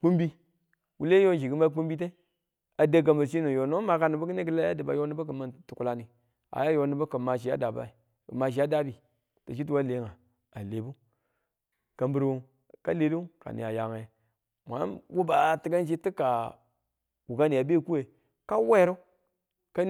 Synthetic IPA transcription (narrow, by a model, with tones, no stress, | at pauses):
k͡pu˦mbi˦ | wu˦le˦jo˦n˨ʃi˨ɡu˦ma˦k͡pu˦mbi˦t̬e˦ | a˨da˦ɡ̬a˨mba˨ʃi˦no˨jo˨no˦ma˨ka˨ni˨bu˦ki˦ne˦kə˦la˦a˦di˨ba̰˨jo˦ni˦ba˦k̬ə˨ma˦˨ntu˨ku˨la˨ni˨ | a̰˨ja˦jo˨ni˦ba˦kə˨ma˨ʃ̬i˨a̰˦da˨ba̰˦i˨ | kə̰˨ma˨ʃ̬i˨ja˦da˦bi˨ | ta˨ʃi˦t̬u˦wa˦le˨˦ŋa˨ | a˨le˨bu˦ | ka˨mbu˨ɾwo˨ | ka˦le˨˦ɾi˦u˦ka̰˨nḭ˨ja˨ja˨ŋa˨ | mʷa̰˨˦wu˦ba˨ti˦ɡa˦nʃi˦ti˦ka˨ | wu˨ɡa˦ni˨a˨be˦˨ku˦we˨ | ka˦we˦ɾu˦ | ka˦